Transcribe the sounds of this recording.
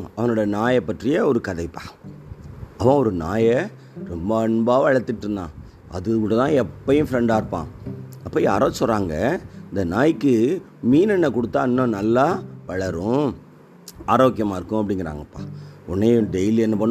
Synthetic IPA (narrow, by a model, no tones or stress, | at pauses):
ɐʋɐnoːɽɐnaːjɐpːɐʈrɪjɐɔɾɯkɐðɐɪpːaː | ɐʋãːɔɾɯna̰ːjɛ | ɾɔmbɐɐɳbaːʋɐɻɐt̪ːɪʈːɾɯnd̪ãː | ɐ̰ðɯkuːɽɐt̪ãːɛpːɐjʊ̃fɪɾɛɳɖaːɪɾɯpːã̰ːɐpːɐjaːɾosɔrːaːŋɡɐɪnd̪ɐnaːjɪkːɯ | miːnɛnːɐkɔɽɯt̪ːãːɪnːõnɐlːaːʋɐɻɐɾʊ̃ | aːɾoːkːɪjɐmaːɪɾɯkːʊ̃ɐp̬ːɐɽɪŋɡɪɾa̰ːŋɡɐpːaːʊnːeːjɖɛɪliɛnːɐpɐɳː